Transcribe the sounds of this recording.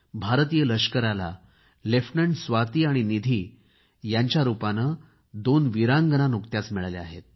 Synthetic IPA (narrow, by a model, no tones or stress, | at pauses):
bʱaɾt̪ijələɕkəɾala̰ | lefʈnəɳɖsʋat̪iːaɽ̃inid̪ʱiː | jaɲt͡ɕjaɾupanə | d̪onʋiɾãŋɡənanukt̪jat͡smɛɭalea̰ɦḛt̪̚